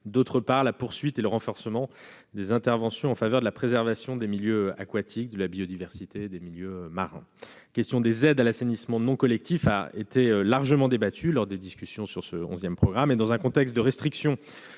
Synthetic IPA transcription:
d̪ot̪χəpaʁlapuʁsɥit̪eləʁɑ̃fɔʁsəmɑ̃ | d̪ezɛ̃t̪ɛʁvɑ̃sjɔ̃ɑ̃favœʁd̪əlapχezɛʁvasjɔ̃d̪emiljøa̰kwat̪ʰik̚d̪əlabiɔd̪ivɛʁsit̪ʰed̪emiljømaʁɛ̰̃kʲɛst̪jɔ̃d̪ezɛd̪alasenismɑ̃nɔ̃kɔlɛk̚t̪ifa̰et̪ʰeølaʁʒəmɑ̃d̪ebat̪ʰylɔʁd̪ed̪iskʲysjɔ̃syʁsəɔ̰̃zjɛmpχɔɡʁamed̪ɑ̃zɛ̃kɔ̃t̪ɛkst̪̚d̪əʁɛst̪χiksjɔ̃

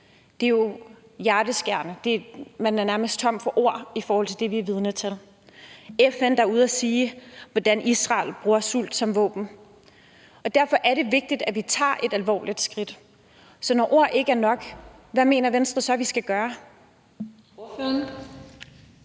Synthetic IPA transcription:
d̥e̝jo̝ | jæɐd̥əsɡ̥æɐ̰nəd̥e̝mænæɐnæɐməsd̥t͡sʰɒ̽m̰d̥fɒ̽ʔo̝ɐ̰ifɒːhɒl̰t͡sʰe̝d̥e̝ʋiæʋið̞ˠnət͡sʰel | efend̥ɑ̈uð̞̩̰ˠæsiːʋɒd̥ænʔisʁɑ̰̈ːlb̥ʁuːɐsul̰d̥sɒ̽mʋɔ̰̽ːb̥n̩ | ɒ̽d̥æɐfɒ̽ʔæɐɾe̝ʋe̝ɡ̥̚d̥id̥æʋit͡sʰɑ̰̈ːʔe̝d̥ælʋɒ̰ːlʔid̥sɡ̥ʁid̥ | sɒ̽nɒʔo̝ɐ̰ʔe̝ɡ̥əæɐnɒ̽ɡ̥ʋæme̝̰ːnɐʋensd̥ʁɐsɒ̽ʋisɡ̥æɡ̥ɶːɐ | n

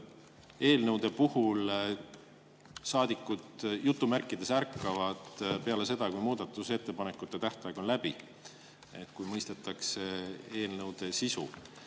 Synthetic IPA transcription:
e̞ːlnɤwd̪̥e̞puhul | sɑːd̪ikːˑud̪̥jut̪ːˑumærkːˑid̪̥e̞særkːˑɑvɑd̪̥pe̞ɑle̞se̞d̪̥ɑkujmuːd̪̥ɑt̪ːˑuse̞t̪ːe̞pɑne̞kːˑut̪ːˑe̞t̪æht̪ɑjeɡ̥o̞nlæb̥i | et̪kujmɤjst̪et̪ːˑɑkse̞e̞ːlnɤwd̪̥e̞sisṵ

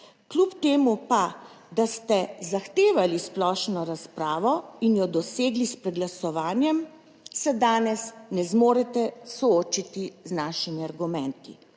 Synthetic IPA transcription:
klupt̪eːmupa | d̪ast̪ɛzaxt̪eːʋalisplɔʃnɔɾaspɾaːʋɔinjɔd̪ɔseːɡlispɾɛɡlasɔʋaːnjɛm | sɛd̪aːnɛsnɛzmoːɾɛt̪ɛsɔoːt͡ʃit̪iznaːʃimiaɾɡumɛnt̪i

